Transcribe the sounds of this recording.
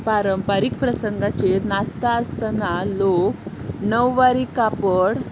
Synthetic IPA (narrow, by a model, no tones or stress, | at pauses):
paɾəmpaɾik̚pɾəsəŋɡat͡ɕenat͡st̪aəst̪analoknəʋːaɾikapəɽ